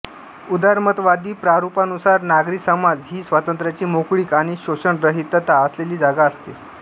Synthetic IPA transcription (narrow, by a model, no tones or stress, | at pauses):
ud̪aɾmət̪ʋad̪iːpɾaɾupanusaɾnaɡɾiksəmad͡zɦiːsʋət̪ənt̪ɾjat͡ɕiːmokɭiːkaɽ̃iɕoɕəɳɾəɦit̪ːət̪aəsleliːd͡zaɡaəst̪e